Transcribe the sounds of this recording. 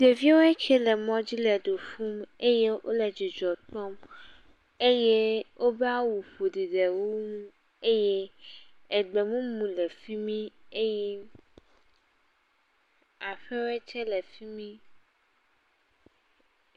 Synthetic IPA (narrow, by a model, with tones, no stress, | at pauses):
de˨vi˦wo˦e˦t͡ʃɛ˦lɛ˨mɔ̃˦d͡ʑi˦lɛ˨ɖo˨fu˦me˦je˦wʔo̰˦le˨d͡ʑi˨d͡ʒɔ˨t̪ɔ˦m | e˦je˦wʔo˦be˦a˦wu˨ɸo˨di˨ɖe˨wu˦nũ˦ | e˦je˦ | ɛ˨ɡ͡be˨mũ˦mũ˨lɛ˨fi˦mĩ˦e˦jɛ˦ | a˨ɸe˦wo˦ɛ˦t͡ʃɛ˦lɛ˨fi˦mĩ˦